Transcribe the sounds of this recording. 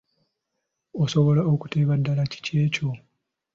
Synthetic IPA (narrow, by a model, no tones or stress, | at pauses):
oso̞βo̞laoku̥teːβadːalaci̥ce̞ːco̞